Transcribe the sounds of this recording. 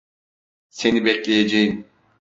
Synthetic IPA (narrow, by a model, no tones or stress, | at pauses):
se̞nibɛclʲejed͡ʒejim